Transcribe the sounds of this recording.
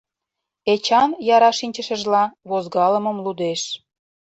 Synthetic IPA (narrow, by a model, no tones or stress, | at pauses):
et͡ɕɑnjɑɾɑʃinʲt͡ɕə̆ʃə̆ʒlɑβozɡɑlə̆mə̆mlud̪eʃ